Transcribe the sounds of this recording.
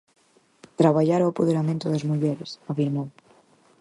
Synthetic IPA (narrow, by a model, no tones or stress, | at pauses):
t̪ɾaβ̞aʎaɾoapoð̞eɾamẽnt̪ʊðɐzmuʎɛɾesafiɾmow